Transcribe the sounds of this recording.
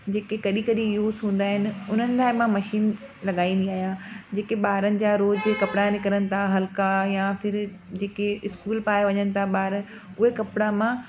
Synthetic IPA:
d͡ʑeːkekɐɗĩkɐɗĩjuːzɦũːn̆d̪aːɦɪnɪ̆ʊn̤ənɪ̆laːɪmãmɐʃiːnlɐɠaːĩːn̆d̪iaːɦijãd͡ʑeːkeɓaːɦɾənɪ̆d͡ʑaːɾoːd͡ʑkɐpɪɽanɪkɐɾənɪ̆t̪ʰaɦɐlkajãfɪɾ | d͡ʑeːkeɪskuːlpaːeʋɐɲənɪ̆t̪ʰaɓaːɾ | ʊɦekɐpɪɽamã

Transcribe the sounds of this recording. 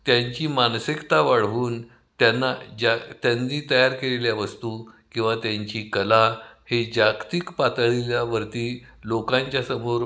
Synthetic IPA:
t̪jaɲt͡ɕiːmansikt̪aʋaɭ̤ʋuːn | t̪janːad͡ʑat̪janːiːt̪əjaɾkeleljaʋəst̪ukĩw̃ʋat̪jaɲt͡ɕiːkəlahed͡ʑakt̪ikpat̪ɭiljaʋəɾt̪iː | lokãɲt͡ɕjasəmoɾ

